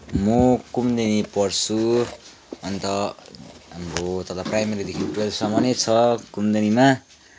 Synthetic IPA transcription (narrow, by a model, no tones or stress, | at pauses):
mokumd̪enipʌrt͡sʰu | ʌnt̪ʌ | ɦamɾot̪ʌt̪aprajmeɾid̪ekʰiʈuelsʌmʌnet͡sʰʌkumd̪enima